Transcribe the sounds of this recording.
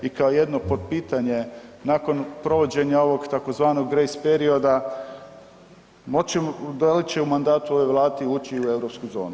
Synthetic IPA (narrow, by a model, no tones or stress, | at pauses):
ikaoje̞d̪nopo̞d̪piːt̪aɲe̞nako̞npɾo̞ʋo̞d͡ʑe̞ɲao̞ʋo̞ɡt̪akozʋaːno̞ɡːɾejspeɾio̞d̪a | mot͡ɕemod̪alit͡ɕeumand̪aːt̪uo̞ʋejʋlˠaːt̪iuːt͡ɕiue̞ʋɾopskujzo̞ːnu